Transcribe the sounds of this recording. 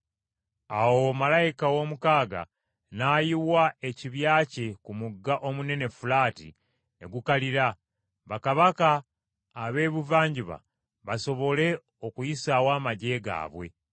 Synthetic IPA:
awomalajikawo̞mukaːɡa̰ | naːjiwae̞ciβjaːce̞kumuɡːaʔo̞mune̞ne̞fulaːtḭ | ne̞̰ɡukaliɾa | βakaβakaː | βe̞ːβuvaːɲɟiβa̰ | βaso̞βo̞le̞ | okujisaːwaːmaɟe̞ɡa̰ːβwe̞̰

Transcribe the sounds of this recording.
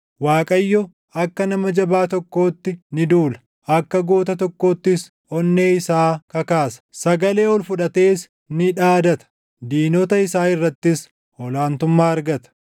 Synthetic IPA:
waːkʼɐjːɔ | ɐkːɐnɐmɐd͡ʒɐbaːt̪ɔkːo̞ːt̪ːɪnɪd̪uːlɐ̥ | ɐkːɐɡoːt̪ɐt̪ɔkːo̞ːt̪ːɪs | ɔnːe̞ːɪsaːkɐkaːsɐ̥sɐɡɐle̞ːɔlfʊᶑɐt̪e̞ːs | nɪᶑaːd̪ɐt̪ɐ̥ | d̪iːnɔt̪ɐɪsaːɪrːɐt̪ːɪs | ɔlaːnt̪ʊmːaːɐɾɡɐt̪ɐ̥

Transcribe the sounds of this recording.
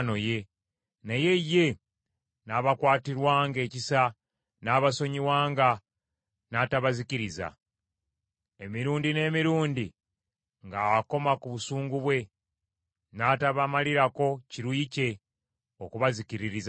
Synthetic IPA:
no̞je̞ | naje̞je̞ | naβakwaːtiɾwaːŋɡe̞ːcisa | naːβaso̞ɲiwaːŋɡa | nataβaziciɾiza̰ | emiɾuːndine̞ːmiɾuːndi | ŋɡawako̞makuβusuːŋɡuβwe̞ | nataβamaliɾako̞ciɾwiːce̞ | okuβaziciɾiɾiza

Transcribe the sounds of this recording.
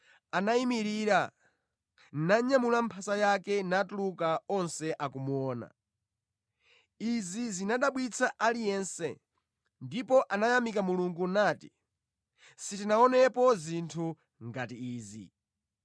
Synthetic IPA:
anaimiɾiɾa | naɲamulampʰasajakɛnatulukaɔnsɛʔakumuɔːna̰ | izizinaɗaɓwit͡sʰaʔalijɛnsɛ̰ | ndipɔʔanajamikamuluŋɡunaːti | sitinaɔnɛpɔzintʰu | ŋɡatiiːzḭ

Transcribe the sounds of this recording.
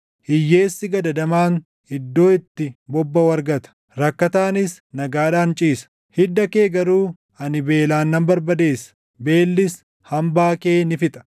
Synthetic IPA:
hɪjːe̞ːsːɪɡɐd̪ɐd̪ɐmaːn | ɪd̪ːo̞ːɪt̪ːɪbɔbːɐwɐɾɡɐt̪ɐ̥ | ɾɐkːɐt̪aːnɪs | nɐɡaːᶑaːnt͡ʃʼiːsɐ̥ | hɪd̪ːɐke̞ːɡɐɾuː | ɐnɪbe̞ːlaːnːɐmbɐɾbɐd̪e̞ːsɐ̥ | be̞ːlːɪs | hɐmbaːke̞ːnɪfɪt̪ʼɐ̥

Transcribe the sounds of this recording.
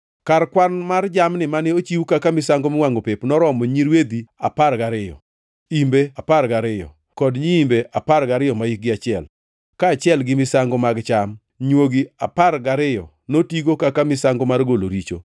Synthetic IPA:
karkwanmard͡ʒamnɪmanɪot͡ʃiwukakamɪsaŋɡomɪwaŋɡopepnɔɾɔmɔɲiɾwed̪iaparɡaɾɪjɔ̰ | imbeaparɡaɾɪjɔ̰ | kɔdɲiimbeʔaparɡaɾɪjɔmaik̚ɡɪat͡ʃɪɛl | kaːt͡ʃɪɛlɡɪmɪsaŋɡɔmaɡt͡ʃam | ɲwoɡiaparɡaɾɪjɔ̰ | notiɡokakamɪsaŋɡɔmarɡolo̰ɾit͡ʃo̰

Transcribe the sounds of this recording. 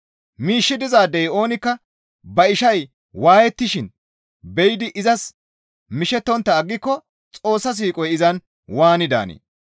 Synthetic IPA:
miːʃːɪd̪ɪzaːd̪ɛjo̞ːnɪkːɐ | bɐɪʃɐj | waːjɛt̪ːɪʃɪn | bɛjd̪ɪʔɪzɐs | mɪʃɛt̪ːɔnt̪ːɐːɡːɪkːɔ | t͡sʼo̞ːsːɐs̬iːkʼɔjɪzɐn | waːnɪd̪a̰ːnḛː

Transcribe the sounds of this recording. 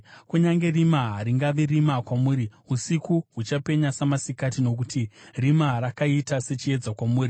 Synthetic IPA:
kuɲaŋɡe̞rimaɦaɾiŋɡaʋirimakwamuːɾiusikuɦut͡ʃape̞ɲasamasikatino̞kutirimarakaitase̞t͡ʃie̞d͡zakwamuːri

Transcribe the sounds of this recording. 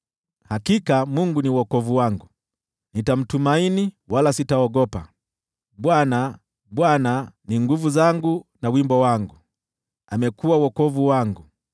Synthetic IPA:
hakikamuŋɡuniwɔkɔvuwaŋɡu | nitam̩tumaini | walasitaɔɡɔpa | ɓwana | ɓwananiŋɡuvuzaŋɡunawimbɔwaŋɡu | amɛkuwawɔkɔvuwaŋɡu

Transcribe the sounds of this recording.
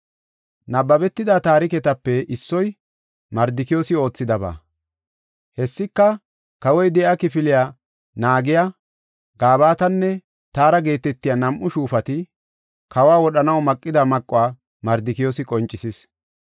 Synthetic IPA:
nɐbːɐbɛt̪ːɪd̪at̪aːɾɪkɛt̪ɐpːɛʔɪsːɔj | mɐɾd̪ɪkɪjo̞ːsɪo̞ːt͡sːɪd̪ɐba̰ː | hɛsːɪkːɐ | kɐwɔjd̪ɛʔakɪfɪlɪja | naːɡɪja | ɡaːβaːt̪ɐnːɛ | t̪aːɾɐɡe̞ːt̪ɛt̪ːɪjanɐmʔʊʃuːfɐt̪ɪ | kɐwaːwɔɗɐnɐwmɐkʼːɪd̪ɐmɐkʼːʊaː | mɐɾd̪ɪkɪjo̞ːsɪkʼɔnt͡ʃʼːɪsɪs

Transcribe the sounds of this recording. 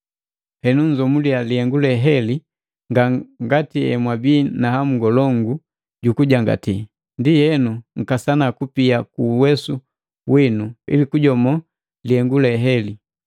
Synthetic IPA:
hɛnuɲd͡ʒɔmulialihɛŋɡulɛɦɛli | ŋɡaŋɡatiɛ̰mwabiːnaham̩ɡɔlɔŋɡu | ɟukuɟaŋɡa̰ti | ndihɛnuŋ̩kasanakupiakuːwɛsu | winuḭlikuɟɔmɔ | lihɛŋɡulɛɦɛli

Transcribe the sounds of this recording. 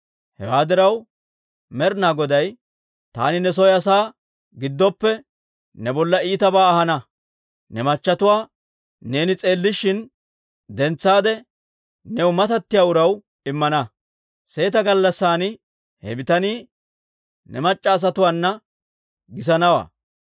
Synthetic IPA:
hɛ̰waːd̪ɪɾɐw | mɛɾnaːɡɔd̪ɐj | t̪a̰ːnɪnɛs̬ɔjɐs̬aː | ɡɪd̪ːɔpːɛ | nɛbɔlːɐiːt̪ɐbaːhɐnɐ | nɛmɐt͡ʃːɐt̪ʊwaː | ne̞ːnɪt͡sʼe̞ːlːɪʃːɪn | d̪ɛnt͡sːaːd̪ɛ | nɛwʊmɐt̪ɐt̪ːɪjaːʊɾɐw | ɪmːɐnɐ | se̞ːt̪ɐɡɐlːɐsːaːnɪ | hɛ̰bɪt̪ɐniː | nɛmɐt͡ʃʼːɐːs̬ɐt̪ʊwaːnːɐ | ɡɪs̬ɐnɐwa̰ː

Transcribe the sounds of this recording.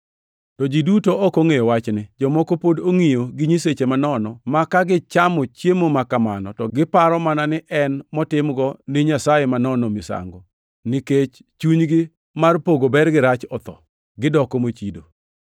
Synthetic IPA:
tɔd͡ʒidutoɔkoŋejowat͡ʃnɪd͡ʒɔmɔkopodoŋijoɡɪɲiset͡ʃemanɔnɔmakaɡɪt͡ʃamɔt͡ʃjemomakamanɔtɔɡɪpaɾɔmananɪʔɛnmɔtɪmɡɔnɪɲasajemanɔnɔmisa̰ŋɡɔ | nɪket͡ʃ | t͡ʃuɲɡɪ | marpoɡobɛrɡɪɾat͡ʃɔt̪ɔ̰ | ɡɪdɔkomot͡ʃido

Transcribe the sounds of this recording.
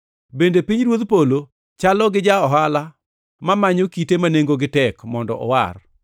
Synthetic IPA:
bendepiɲɾwot̪polo | t͡ʃalɔɡɪd͡ʒaɔɦala | mamaɲokitemaneŋɡoɡɪtɛkmɔndɔ̰ʔɔ̰wa̰r

